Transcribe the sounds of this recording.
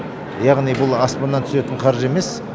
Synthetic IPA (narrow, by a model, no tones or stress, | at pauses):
jɑʁnijbʊlˠɑspɑnːɑnt̪ʰʏ̥se̞t̪ɪɴqʰɑɾʒe̞me̞s